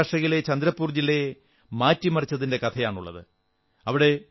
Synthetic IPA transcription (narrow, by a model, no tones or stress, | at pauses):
ʂɐɣile̞t͡ɕɐnd̪ɾɐpːuːrd͡ʑile̞ | maːtːimɐrit͡ɕːɐðinde̞kɐt̪ʰɐjaːɳuɭːɐ̰ðɨ̰ | ɐʋiɽe̞